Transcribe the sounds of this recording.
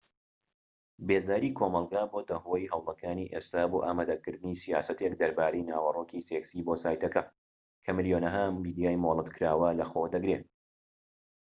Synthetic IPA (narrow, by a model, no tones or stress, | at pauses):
beːzaːɾiːkʰoːmɑlˠɡaːbod̪ɐɦojɦɐwlˠɐkʰaːniːʔest̪aːboːʔaːmaːd̪ɐkɨɾd̪ɨniːsija̰ːsɐt̪ekd̪ɐɾbaːɾejnaːwɐroːkiːseksiːbosaːjt̪ɐkɐ | kʰɐmɨljonɐɦɐmiːd̪ijaːjmolˠɨt̪kʰɨɾaːwɐlɐxod̪ɐɡɾe